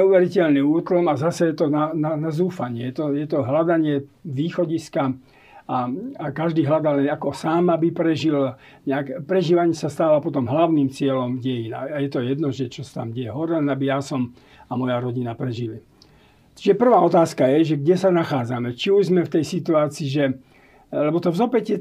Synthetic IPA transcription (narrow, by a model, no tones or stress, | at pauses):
ɲɛuːʋɛɾicɛlniuːt̪lɔmazasɛjɛt̪ɔnananazuːfaɲɪɛjɛt̪ɔjɛt̪ɔɦlad̪aɲɪɛʋiːxɔɟiska | aakaʒd̪iːɦlad̪alɛnakɔsaːmabipɾɛʒil | ɲɛakpɾɛʒiːʋaɲɪɛsast̪aːʋapɔt̪ɔmɦlaʊniːmt͡sɪɛlɔmɟɛjina̰ajɛt̪ɔjɛd̪nɔʒɛt͡ʃɔsḁt̪a̰mɟɛjɛɦɔɾɛɛnabijasɔm | amɔjaɾɔɟinapɾɛʒili | t͡ʃiʒɛpr̩ʋaːɔt̪aːskajɛʒɛɡɟɛsanaxaːd͡zamɛt͡ʃiuʒzmɛft̪ɛjsit̪uaːt͡siːʒɛ | lɛbɔt̪ɔvzɔpɛcɛ